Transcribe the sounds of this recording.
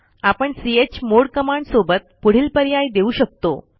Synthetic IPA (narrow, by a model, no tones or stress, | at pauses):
apəɳsiet͡ɕmoɽkəmaɳɖsobət̪̚puɽ̤iːlpəɾjajd̪euːɕək̚t̪o